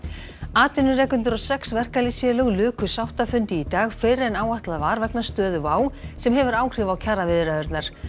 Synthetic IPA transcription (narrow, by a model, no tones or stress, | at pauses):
aːt̪ɪnʏrɛːkhʏnt̪ʏɾɔsɛksvɛr̥kalisvjɛːlœɣlʏːkʏsawht̪afʏnt̪ɪːt̪aːɣfɪrɪɛnaːwaht̪laðvaːɾvɛknast̪œːðʏvaːwsɛmɦɛvʏɾaːwkr̥ɪvawcʰaːɾavɪðɾaðʏɾt̪naɾ̥